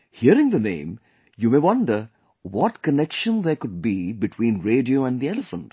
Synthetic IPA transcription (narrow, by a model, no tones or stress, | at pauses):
hiəɾɪ̃ŋd̪ənḛ̃ːm | juːmeːʋʌ̃nɖəɾ | wɔʈkənɛkʃə̃nd̪ekʊɖ̚bibɪʈʰwĩːnɾeːɖioːæ̃nd̪iɛləfə̃nʈ